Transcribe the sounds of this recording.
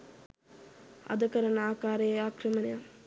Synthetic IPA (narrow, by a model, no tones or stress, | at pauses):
ɐ̰d̪ɐkɐɾɐnaːkaːɾejaːkrəmɐneja